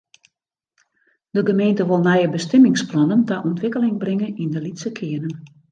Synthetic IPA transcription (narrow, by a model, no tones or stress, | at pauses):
d̥əɡəmeːntəʋolˠnɛjəbəstɪmɪŋsplɔnəntaʔɔntʋɪkəlɪŋbrɪŋənindəlitsəkʰɪənən